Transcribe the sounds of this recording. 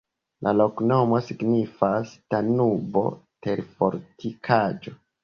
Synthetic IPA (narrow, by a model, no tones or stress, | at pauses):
lʔa̰lo̞kno̞mo̞siɡnifastanubo̞̰teɾfoɾtʰikʰad͡ʒo̞